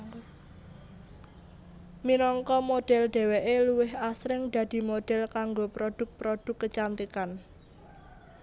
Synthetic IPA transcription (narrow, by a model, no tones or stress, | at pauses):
minɔŋkɔmoɖ̥ɛ̤lɖ̪̥ɛ̤weʔeluwɪɦasɾɪŋd̪̥ä̤d̪̥i̤moɖ̥ɛ̤lkaŋɡopɾod̥ʊ̤k̚pɾoɖ̪̥ʊ̤kːət͡ʃant̪ikan